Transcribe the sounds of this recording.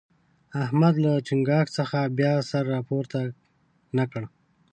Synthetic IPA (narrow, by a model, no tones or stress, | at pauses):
ahmad̪lat͡ʃɪŋɡɑksəxabjɑsaɾːɑpoɾt̪a | nakəɽ